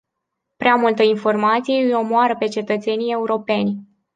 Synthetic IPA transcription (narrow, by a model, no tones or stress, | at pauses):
pɾeamult̪əinfo̞rmat̪sije̞ɨjo̞moaɾəpe̞t͡ʃe̞t̪ət̪se̞nije̞uɾo̞pe̞nʲ